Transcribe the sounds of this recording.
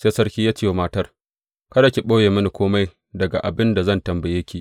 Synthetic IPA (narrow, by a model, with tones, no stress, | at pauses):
seː˦sɐ˦rkʲiː˦jaː˦t͡ʃeː˦˨wmaː˦tɐ˦r | kɐ˦da˨kʲi˨ɓoː˦jeː˨mɐ˦ni˨kʷoː˦ma˦j | dɐ˨ɡa̰˨ʔa˨bɪ˦nda˨zɐ˦˨ntɐ˨mbɐ˨jeː˦kʲʰi˨ʔ